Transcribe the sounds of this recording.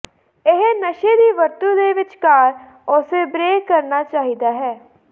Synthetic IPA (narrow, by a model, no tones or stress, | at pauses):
ɪɦnəʃeːd̪iːʋəɾt̪uːd̪eːʋɪt͡ʃkaːɾ | ʊseːbɾeːkkəɾnaːt͡ʃaːɦiːd̪aːɦɛː